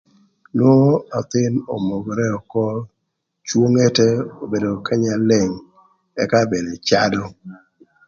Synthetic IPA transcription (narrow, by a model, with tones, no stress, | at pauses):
n˦o˦a˨t̪ɪ˦no̰˨mo˨ɡɔ˨ɾɛ˦ɔ˨kɔ˦ | t͡ʃwo˦ŋe˦tɛ˦o˨be˨do˨ka˦ɲa˨le˨ŋ | ɛ̰˨ka˦be˨de˨t͡ʃa˦dɔ˦